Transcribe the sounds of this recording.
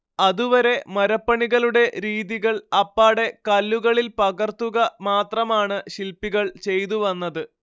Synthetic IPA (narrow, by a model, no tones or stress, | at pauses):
ɐðuʋɐɾe̞mɐɾɐpːɐɳiɣɐɭuɽe̞ɾiːðiɣɐɭɐpːaːɽe̞kɐlːuɣɐɭilpɐɣɐrt̪uɣɐmaːt̪rɐmaːɳɨɕilpːiɣɐɭt͡ɕe̞jt̪uʋɐnːɐðɨ